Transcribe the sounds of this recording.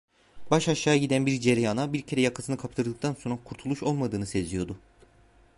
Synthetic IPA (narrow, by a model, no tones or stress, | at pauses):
baʃaʃːaːjaɟid̪ænbiɾd͡ʒeɾijanabiɾcʰe̞ɾɛjakʰḁsɯnɯkʰap̚t̪ʰɯɾd̪ɯkt̪anso̞nɾakʰuɾt̪ʰulˠuʃo̞lˠmad̪ɯːnɯse̞d͡ʒijo̞d̪ʊ